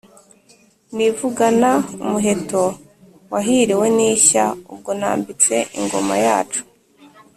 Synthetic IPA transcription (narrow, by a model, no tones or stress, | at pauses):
nivuɡanaumuɦe̞to | waɦiɾiwe̞niːçaub̚ɡo̞na̰ːmbit͡se̞ʔḭŋɡo̞̰ma̰ja̰ːt͡ʃu̥